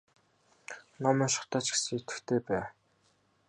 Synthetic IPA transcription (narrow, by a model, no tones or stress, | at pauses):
nɔmœːʃʊ̥̆χt̪aːt͡ɕɡe̥sɘ̆ŋet̪ɘ̆kt̪ʰeːpæː